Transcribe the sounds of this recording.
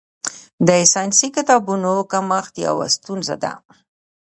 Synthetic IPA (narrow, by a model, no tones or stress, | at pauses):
d̪əsɑjnsikɪt̪ɑbunokamaxt̪ja̰wa̰st̪unza̰d̪a̰